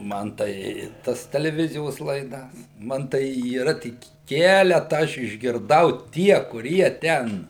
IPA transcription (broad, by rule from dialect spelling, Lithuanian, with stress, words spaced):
ˈmɐn tɐɪ ˈtɐs tʲɛlʲɛˈʋʲɪzʲɪjoːs lˠɐɪˈdɐs ˈmɐn tɐɪ iːˈrɐ ˈtʲɪk ˈkʲæːlʲɛtɐ ˈɐʃ ɪʒʲɡʲɪrˈdɐʊ ˈtʲiɛ kʊˈrʲiɛ ˈtʲɛn